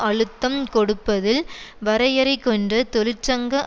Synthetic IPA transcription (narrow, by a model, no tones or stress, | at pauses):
ʔɐɻɯt̪ːɐmkɔɽɯpːɐðɪlʋɐɾɐjɐɾɐɪkːɔndɐt̪ɔlɪt͡ʃːɐŋɡɐʔ